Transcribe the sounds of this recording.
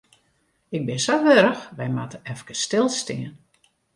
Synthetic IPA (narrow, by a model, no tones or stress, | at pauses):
ɪɡ̚bɪnsowʋøɾəxʋɛjmatəɛfkəstɪlˠstɪən